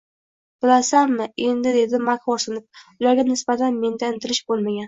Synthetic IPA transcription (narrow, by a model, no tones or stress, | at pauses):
b̥ɪlasanmɪe̞nd̪ɪd̪e̞d̪ɪmakχɒɾsɪnɪp̚ʊlaɾɡʲanɪsbat̪ʰanme̞nd̪aɪnt̪ʰɪlɪʃbolˠmaɡʲan